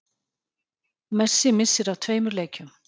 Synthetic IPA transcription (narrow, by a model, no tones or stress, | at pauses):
mɛ̥sːɪmɪsːɪɾawt̪ʰv̥eːjmʏɾleːjcʏm